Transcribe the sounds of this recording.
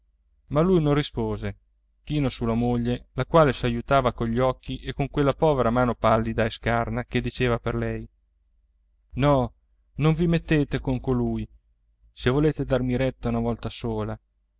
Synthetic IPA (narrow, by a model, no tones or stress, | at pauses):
malːujnõnrispoːze | k̟iːnosulamoʎːelakwaːlesajut̪aːvakoʎːɔkʰːiʔekːoŋkwelːapɔːveɾamaːnopalːid̪aeskarnaked̪it͡ʃeːvaperlɛj | nɔ | noɱvimet̪ːeːt̪ekoŋkoluːj | sevoleːt̪ed̪armiɾɛt̪ːaunavɔlt̪asoːla